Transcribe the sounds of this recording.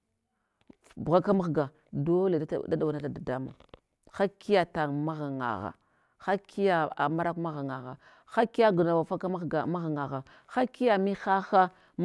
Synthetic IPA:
bɣa˦ka˦ma˦xɡa˨ | do˦le˨˦da˦da˨wa˨na˦da˨da˨da˦ma̰˨ | xa˦kːi˦ja˦ta˨ŋma˦ɣa˨ŋa̰˨ɣa̰˨ | xa˦ki˦ja˦a̰˨ma˦ɾa˦kma˦ɣa˨ŋa˨ɣa̰˨ | xa˦ki˦ja˦ɡu˨na˨wa˨fa˦ka˦ɡa˨ma˦ɣa˨ŋa˨ɣa˨ | xa˦kːi˦ja˨mi˦xa˦xa˦

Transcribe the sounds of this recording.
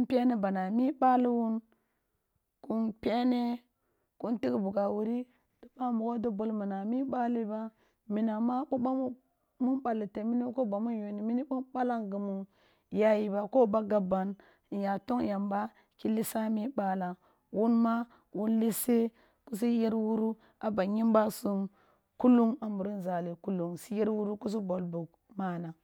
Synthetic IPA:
u˦m˦pe˦ne˦ba˨na˨mi˦ɓa˦li˦wu˦n | ku˦npʲe˦ne˦ | ku˦nti˦ɡbu˨ɡa˨wu˨ɾi˦ | d̥o˨ba˦mu˨ko˦do˦bo˦˨lmi˨na˨mi˦ɓa˦li˦ba˦ | mi˨na˨ma˦ɓu˦ba˦mu˦ | mu˦nɓa˨li˨te˨mi˦ni˦ko˦ba˨mu˦njo˨ni˨mi˦ni˦ɓu˦nɓa˦la˦ŋɡu˨mu˨ | ja˦ji˨ba˨ko˦ba˦ɡa˨ba˨n˨ | ja˨to˦ŋja˨mba˦ | ki˦li˦sa˦mi˦ba˦la˨ | wu˦nma˦ | wu˦nli˦se˦ | ku˦s̬i˦je˦ɾwu˦ɾu˦ | a˨ba˨ɲi˦mba˦su˦m | ku˦lu˦ŋa˨mbu˨ɾu˦nza˨li˨ku˦lu˨ŋsi˦je˦ɾwu˦ɾu˦ku˦s̬u˦bo˨lbu˨ɡ | ma˦na˨

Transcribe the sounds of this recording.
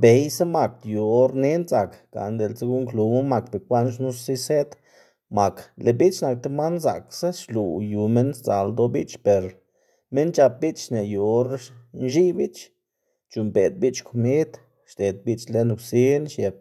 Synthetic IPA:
be˨jsa˦ma˨k̪̚ju˨o˦ɾne˦nza˨kɡ̥a̰˨nd̪e˨lt͡se˦ɡu˦ŋklu˧mu˦ma˧kbe˨kʷa˦nʃnu˦ssi˦se˦t̪ | ma˨kle˨bi˦t͡ʃna˨k̚t̪e˧ma˦nza̰˨ksa˦ʃlu˨ju˨me˦nst͡sa˨ld̪o˧bi˦t͡ʃpe˨ɾ | me˦nt͡ʃa˧p̚bi˦t͡ʃʃne˨ju˨o˦ɾnʃi˦bi˦t͡ʃ | t͡ʃu˨mbe˨d̪̚bi˦t͡ʃkʰo˧mi˦d̪ | ʃd̪e˨d̪̚bi˦t͡ʃle˧nu˨ksi˦nʃje˨b̚

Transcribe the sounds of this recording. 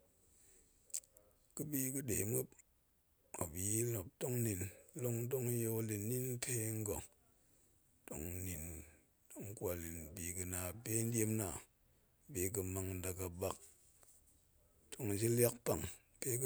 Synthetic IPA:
kɨ˦bi˦kɨ˦de˨˦mu˦ | a˨bi˨˦lo˨p̚to˦ŋni˧n˦lo˦ŋ˦do˦ŋ˦jo˧˦li˧nːi˦n˦pʰe˦ŋ̩˦ɡo˨ | to̰˦ŋni˨n | do˦ŋ˦kwʷa˨li˨n˨bi˨kɨ˧na˨pe˦n̩˦dʲe˦mna˨ | bi˨k̬ɨ˧ma˧ŋn̩˦da˨ka˨ba˧k̚ | to˦ŋ˨d͡ʒi˦lʲa˦k̚pa˨ŋ | pe˦k

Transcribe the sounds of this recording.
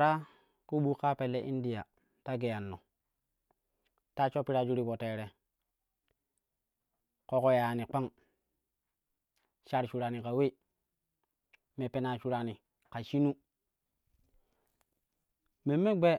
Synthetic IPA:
ɾa˦ | ku˦ɓu˦ka˦pe˨lːe˨ʔi˦ndi˨ja˨ | ta˦ɡe˨ja˨nːo̰˨ | ta˦t͡ʃo˦pi˦ɾa˦d͡ʒu˦ɾi˦bo˨te˨ɾe˨ | ko˦ko˦ja˨ni˨k͡pa˦ŋ | ʃa˦ɾt͡ʃu˨ɾa˨ni˨ka˨we˦˨ | me˨pe˨na˨ʃu˦ɾa˨ni˨ | ka˨ʃi˦nu˦ | me˨mːe˦ɡ͡be˦

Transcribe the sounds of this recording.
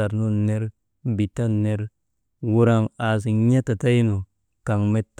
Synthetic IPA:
a˨ɾno˦ne˦ɾ | bi˨ta˦ne˦ɾ | wu˨ɾa˨ŋa˨s̬i˨ɲa˦ta˨ta˦ji˦no˨ | ka˨ŋme˦tː

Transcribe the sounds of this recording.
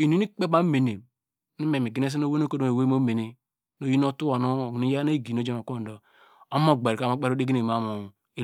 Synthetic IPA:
i˨nu˦ni˦k͡pe˦ba˦me˨ne˨ | ni˦me˨mi˨ɡi˨ne˦s̬i˦no˦we˦no˦ko˦do˨e˨we˦mo˦me˨ne˦ | no˨˦ji˦no˦tu˦o˨no˦˨ni˦ja˦ne˦˨ɡi˨no˦d͡ʒe˦mo˨ko˦˨do˨ | o˦mo˦ɡ͡be˨ɾka˦˨mo˦k͡pe˦ɾo˦dɡi˦ni˨m˨a˨˦˨mu˨ | i˦

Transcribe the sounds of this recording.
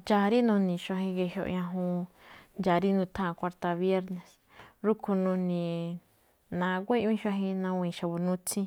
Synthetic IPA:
nd͡ʒa˧ɾi˦nũ˧nĩ˨ʃʷa˧ɦĩ˧ɡe˧ɦjo̰˧ʔɲã˧ɦũ˧nd͡ʒa˨ɾi˦nũ˧t̪ʰã˦˨˧kʷa˧ɾt̪a˧βje˦ɾnẽ˨s | ɾu˦kʰu˧nũ˧nĩ˨ | nã˧ɡʷe˦˧ʔĩ˦ʃwã˧ɦĩ˧nã˧wĩ˧˨ʃa˨βu˨nũ˦t͡sĩ˦

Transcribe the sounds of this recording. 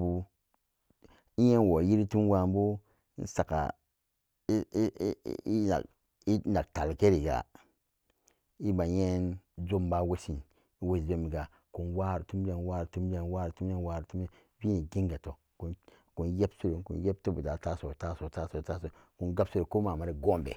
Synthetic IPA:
bu˦ | i˦je˦nwo˨ji˦ɾi˦tu˦n˦wa˨mbṵ˦ | n˦sa˨ka̰˨˦ | i˦a̰˨ | i˦na˨k̚ta˨lke˦ɾi˨ɡa̰˨ | i˦ba˨je˦nd͡ʒo˦m˦ba˦we˦si˨n | i˦we˦sd͡ʒo˦mi˨ɡa˨ | ku˨nwa˦˨ɾtu˦m˦de˦˨nwa˦ɾtu˦m˦d͡ʒe˦n˦wa˦˨tu˦m˦e˦nwa˦ɾtu˦me˦˨˦bi˦ne˨ɡi˦ŋɡa˨to˨ | ku˨n | ku˨nje˦bsu˦ɾe˨kṵ˨n˦je˦p̚to˦bu˨da˨ta˦so˨ta˦so˨ta˦so˨ta˦so˨ | ku˨nɡa˦bsu˦ɾe˨ko˦ma˨ma˨ɾi˨ɡo˦mbḛ˨

